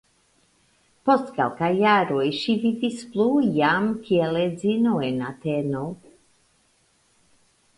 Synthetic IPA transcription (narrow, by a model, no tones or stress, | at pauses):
post̪ka̰lˠkajaɾojʃivivisplujamkiɛled͡zinoɛnat̪ɛno